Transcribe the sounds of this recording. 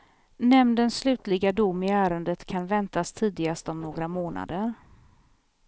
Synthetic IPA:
nɛmnd̪ənsslʉ̟ːt̪lɪɡad̪ʊmːɪæːɾənd̪ət̪kʰanvɛnt̪ast̪ʰiːd̪ɪɡast̪ɔmnoːɡɾamoːna̰d̪əɾ

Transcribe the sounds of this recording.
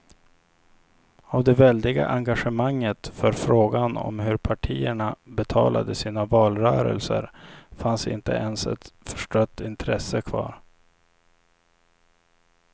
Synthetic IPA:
avd̪ɛvɛld̪ɪɡa̰ʔaŋɡaɧəmaŋːət̪fœɾfɾoːɡanɔ̰mɦɵɾpʰaʈʰiːəɳabɛt̪ʰɑːlʔa̰d̪əsiːnavɑːlɾœːɾə̰lsə̰ɾfansɪ̰nt̪ə̰ʔɛnsɛ̰t̪fœʂʈœt̪ːɪnt̪ʰɾɛsəkʰvɑ̰ːɾ

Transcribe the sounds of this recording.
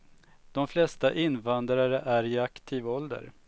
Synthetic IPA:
d̪̥ɔmflɛst̪aʔɪnːvand̪ɾaɾəʔæɾɪakt̪ʰiːvɔld̪ə̰ɾ

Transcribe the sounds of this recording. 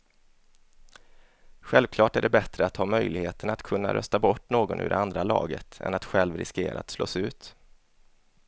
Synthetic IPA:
ɧɛlvkʰlɑːʈæɖɛbɛt̪ɾəat̪hɑːmœjlɪɡheːt̪ənat̪kʰɵnːa̰ɾʔœst̪abɔʈːnoːɡɔnʔʉ̟ːɾɛand̪ɾalɑ̰ːɡət̪ɛ̰nat̪ɧɛlvɾɪskeːɾaat̪slo̰ːsʉ̟ːt̪

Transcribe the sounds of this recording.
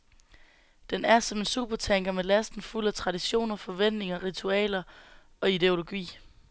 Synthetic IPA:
d̥enæɐsɒ̽me̝nsṵːb̥ɐt͡sʰeŋ̰ɡ̥ɐmelæsd̥n̩ful̰æt͡sʰʁɑ̈ɾiɕo̝̰ːnɐfɒ̽ʋen̰d̥ne̝ŋɐʁit͡sʰuɛ̰ːlɐ | ɒ̽id̥e̝o̝lo̝ɡ̥ḭː

